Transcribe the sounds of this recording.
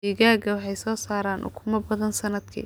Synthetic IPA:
iɣaːɡɐwɑħɑjsɔːsaːɾaːnʔʊ̰kʰʊmɐbɐðɐnsɐnɐd̪kʰḭː

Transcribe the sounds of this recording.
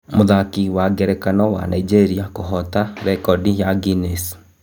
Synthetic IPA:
moðakiwaɡɛɾɛkanɔwa̰naid͡ʒeɾiakoɦɔtaɾɛkɔdijaɡines

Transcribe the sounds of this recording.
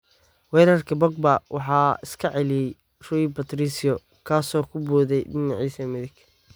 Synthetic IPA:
wɛːɾɐrkʰɐbɐɡ̚bɐwɑ̰ħɑːɪskʰɐʕɛlɪjɛj | rɔɪbɐt̪ɾisɪɔ | kʰaːsɔːkʰʊbuːðɛjɖɪnɑʕiːsɐmɪðɪɡ

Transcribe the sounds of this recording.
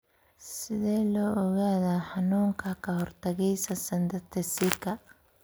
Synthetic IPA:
sɪðɛːlɔːɔɣaːðaːħɑnuːŋkʰɐkʰɐhɔrt̪ʰɐɣɛjsɐsɐnd̪ɐt̪ʰɛsɪkʰɐ

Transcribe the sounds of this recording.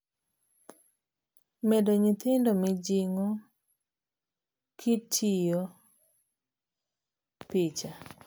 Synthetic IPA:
mɛdoɲɪt̪ɪndomɪd͡ʒiŋo | kʰitʰijo | pɪt͡ʃa

